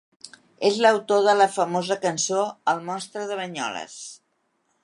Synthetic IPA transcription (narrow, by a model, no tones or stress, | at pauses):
ezləwt̪oðələfəmozəkənsoəlˠmɔnst̪ɾəðəβəɲɔ̰lə̰s